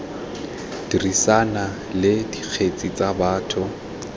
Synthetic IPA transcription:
d̥irisana | lɪdik͡xʰet͡sʼit͡sʼabaːtʰʊ

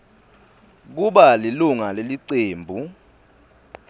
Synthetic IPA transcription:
k̬uɓaliluŋaleliǀeːmbʱu

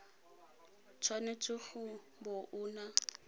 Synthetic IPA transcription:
t͡sʰwanet͡sʼʊχʊ | bʊʔʊːna

